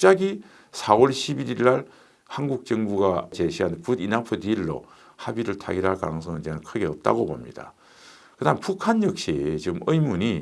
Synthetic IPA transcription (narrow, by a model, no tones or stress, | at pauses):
t͡ɕ͈aɡi | sʰawʌɭɕʰibiɾiɭːaɭ | hanɡuk̚t͡ɕ͈ʌŋbuɡat͡ɕeɕʰiɦanpudinapʰɯdiːɭːo̰ | habiɾɯɭtʰa̰ɡiɾaɭka̰nɯŋs̬ʰʌŋɯnd͡ʑenɯnkʰɯɡe̞ʌp̚t͈a̰ɡobomɲida̰ | kɯdampukʰanjʌk̚ɕ͈it͡ɕiɡɯmɯjmuɲi